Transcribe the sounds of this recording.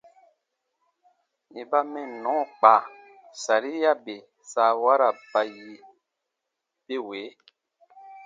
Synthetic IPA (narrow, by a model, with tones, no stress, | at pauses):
i˨ba˦mɛ̃˨nɔ̃˨˦˨k͡pa˨ | sa˨ɾi˦ja˦be˨ | saː˧˦wa˦ɾa˨ba˧ji˧ | be˦we˨˦